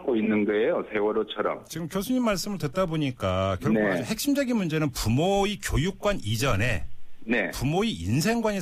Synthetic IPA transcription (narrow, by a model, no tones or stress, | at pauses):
k͈oinːɯnɡɯejosʰe̞wʌɾot͡ɕʰʌɾʌ̰mt͡ɕiɡɯmkʰjosʰuɲimːaɭs͈ɯmɯɭdwet̚t͈aboɲik͈akjʌnad͡ʑuhe̞k̚ɕ͈imd͡ʑʌɡinmund͡ʑe̞nɯnpumoikjojuk̚k͈wanid͡ʑʌne̞̰ne̞pumoiḭnsʰe̞ŋɡwaɲi